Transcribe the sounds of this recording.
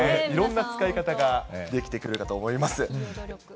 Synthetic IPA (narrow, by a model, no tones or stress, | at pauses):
eiɾõ̞nːat͡sɨ̥kaikat̪aɡad̪e̞kʲi̥t̪e̞kɯ̟ɾɯ̟kat̪o̞ːmo̞imasɨ